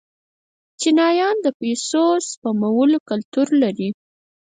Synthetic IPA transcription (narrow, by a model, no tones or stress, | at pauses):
t͡ʃinɑjɑnd̪əpesospamawəlokalt̪uɾlaɾi